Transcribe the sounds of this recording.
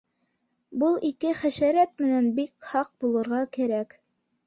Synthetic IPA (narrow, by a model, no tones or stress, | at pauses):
bɤlˠikɘχæʃæɾæt̪̚mɘ̆nænbikhɑq̚bulˠɤ̆ɾʁɑkæɾæk